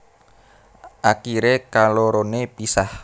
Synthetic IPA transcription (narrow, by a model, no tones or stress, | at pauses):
ʔakiɾekaloɾonepisah